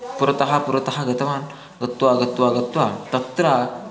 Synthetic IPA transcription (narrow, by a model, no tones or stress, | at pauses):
puɾət̪ɐɦapuɾət̪ɐɦaɡɐt̪ɐʋan | ɡɐt̪ʋaɡɐt̪ʋaɡɐt̪ʋat̪ɐt̪ɾa